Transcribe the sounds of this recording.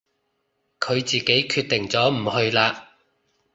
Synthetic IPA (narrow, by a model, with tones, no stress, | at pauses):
kʰɵ˨˧ɥt͡siː˨ke˨˥jkʰyː˧t̚t̪ɪ˨˩ŋt͡sɔː˨˥m̩˨˩hɵ˧ɥlaː˧